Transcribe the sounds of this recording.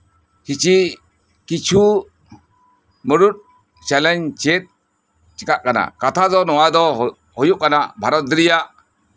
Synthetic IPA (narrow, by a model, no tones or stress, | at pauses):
kit͡ʃi | kit͡ʃʰu | məɾut̪̚ | t͡ʃɛlɛɲt͡ʃet̪̚ | t͡ʃikaʔkana̰kat̪ʰazɔnɔwad̪ɔ | hɔjuʔ̚kanabʱaɾɔɾijaʔ